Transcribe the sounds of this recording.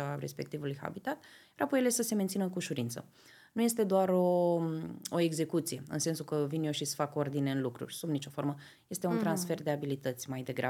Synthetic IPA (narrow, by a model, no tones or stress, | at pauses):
aɾe̞̰spe̞k̚t̪ivulujha̰bit̪at̪ | ɾapojelesəse̞ment̪sinəkuʃuɾint̪sə̰ | nuje̞st̪e̞d̪oaɾo̞ | oe̞ɡze̞kut̪sije̞ɨ̰nse̞nsukəvinjoʃisfako̞rd̪ineɨnlukɾṵrʲsubnit͡ʃo̞fo̞rmə | je̞st̪e̞unt̪ɾansfe̞rd̪e̞abilit̪ət̪sʲmajd̪e̞ɡɾa̰